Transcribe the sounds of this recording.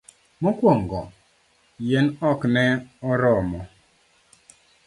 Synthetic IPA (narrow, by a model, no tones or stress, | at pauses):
mɔkwɔŋɡɔ̰ | jɛnɔknɛɔɾɔmɔ